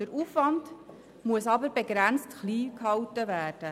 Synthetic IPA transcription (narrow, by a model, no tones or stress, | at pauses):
dəɾuːfʋɑnd | muəsɑbəɾbeɡɾænt͡stχliːkhɑwtəʋæːrd̥ə